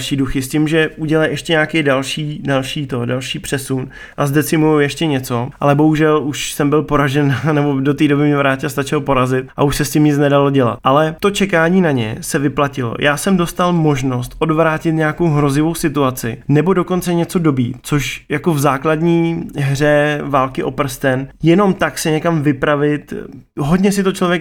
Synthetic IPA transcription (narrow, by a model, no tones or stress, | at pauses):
ʃiːduxɪscɪmʒɛuɟɛlajʔɛʃcɛɲaːkɛjdalʃiːdalʃiːt̪o̞dalʃiːpr̝̥ɛsun | ʔazdɛt͡sɪmujowjɛʃcɛɲɛt͡so̞ʔalɛbo̞ɦuʒɛluʃsɛmbɪlpo̞ɾaʒɛnnɛbo̞dot̪iːdo̞bɪmɲɛvɾaːcɪast̪at͡ʃɛlpo̞ɾazɪt̪̚ʔa̰uʃsɛscɪmɲɪt͡snɛdalo̞ɟɛla̰t̪̚ʔalɛt̪o̞t͡ʃɛkaːɲiːnaɲɛ̰sɛvɪplacɪlo̰jʔaːsɛmdo̞st̪almo̞ʒno̞st̪ʔo̞dvɾaːcɪt̪ɲɛjakowɦɾo̞zɪvo̞wsɪt̪uat͡sɪ̰nɛbo̞do̞ko̞nt͡sɛɲɛt͡so̞do̞bɾḭːt͡soʃjako̞vzaːkladɲiːɦr̝ɛvaːlkɪʔo̞pr̩st̪ɛnjɛno̞mt̪aksɪɲɛkamvɪpɾavɪt̪ɦodɲɛsɪt̪o̞t͡ʃlovjɛk̚